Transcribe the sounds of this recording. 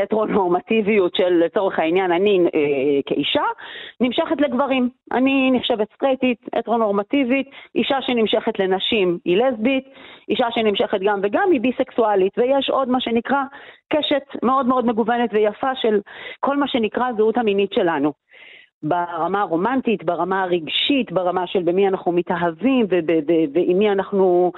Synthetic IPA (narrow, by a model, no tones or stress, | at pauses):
etʁo̞no̞ʁmativijutʃelːet͡so̞ʁeχainjananikḛʔiʃanimʃeχetleɡvaʁimʔa̰niniχʃevetst̪ʁetit̪ʔḛtʁo̞no̞ʁmativit̪ʔiʃaʃenimʃe̞χetle̞naʃimilezbit̪iʃaʃenimʃe̞χet̪ɡamveɡamibiseksualitvejeʃo̞dmaʃe̞nikʁakeʃetme̞o̞dmeo̞dme̞ɡuvenetvejafaʃe̞lko̞lmaʃe̞nikʁazeutaminitʃe̞lanu | baʁamaʁo̞mantitbaʁamaʁiɡʃit̪baʁamaʃelbemianaχnumitaɦavimvebebevemianaχnu